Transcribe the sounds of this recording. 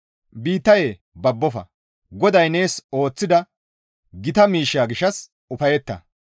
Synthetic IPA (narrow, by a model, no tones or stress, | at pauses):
biːt̪ːɐje | bɐbːɔfɐ̰ | ɡɔd̪ɐjne̞ːso̞ːt͡sːɪd̪ɐ | ɡɪt̪ɐmiːʃːaːɡɪʃɐs | ʊfɐjɛt̪ːɐ̰